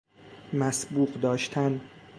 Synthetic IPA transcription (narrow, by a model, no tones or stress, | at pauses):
mæsbuːɢd̪ɒːʃt̪ʰæn